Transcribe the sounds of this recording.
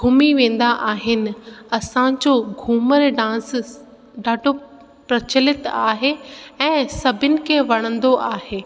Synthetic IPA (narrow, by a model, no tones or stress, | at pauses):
ɡʱuːmiʋẽːn̆d̪aʔaːɦɪnɪ̆ɐsãd͡ʑoɡʱuːməɾɖãːs | ɖʱaːɖʱo | pɾɐt͡ɕəlɪt̪aːɦeɛ̃ːsɐbʱɪnɪ̆kʰeʋɐɽ̃ə̃nd̪oʔaːɦeː